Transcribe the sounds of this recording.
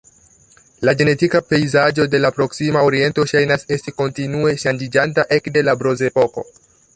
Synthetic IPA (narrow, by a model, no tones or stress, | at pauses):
laɡe̞ne̞tikape̞jzad͡ʒo̞de̞lapɾo̞ksimaoɾie̞nto̞ʃajnase̞stiko̞ntinue̞ʃand͡ʒid͡ʒantaʔe̞kde̞labɾo̞ze̞po̞ko̞̰